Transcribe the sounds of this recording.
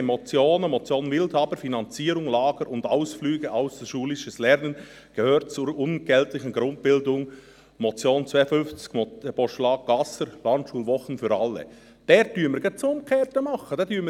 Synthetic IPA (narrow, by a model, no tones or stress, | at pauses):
emɔt͡sjoːnəmɔt͡sjoːnvɪlthɑːbəfinɑnt͡siːɾʊŋlɑːɡ̥əɾʊndaʊsflyːɡ̥əʔaʊsd̥ʃuːlɪʃəslɛɾnən | ɡ̥əhøːɾt̚t͡suɾʊnɡ̥ɛltlɪçənɡɾʊnt̚pɪldʊŋ | mɔt͡sjoːnt͡svaɪəfʏnft͡skmɔb̥ɔʃlɑːɡ̚ɡ̥ɑsəɾlɑntʃuːlvɔχənfyɾɑlːə̰ | d̥ɛːɾd̥yːməɾɡət͡sʊn̚kʰɛːtəmɑχəd̥ɛdyːm